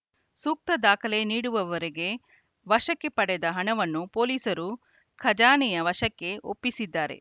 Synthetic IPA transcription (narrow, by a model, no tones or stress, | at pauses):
suːk̚t̪ɐd̪aːkʰɐleniːɽuʋɐʋɐɾeɡe̞ | ʋɐʃɐkːepɐɽɛd̪ɐɦɐɳɐʋɐnːupoːliːsɐɾu | kʰɐd͡ʒaːnɛjɐʋɐʃɐkːe̞ʔo̰pːisid̪ːaːɾḛ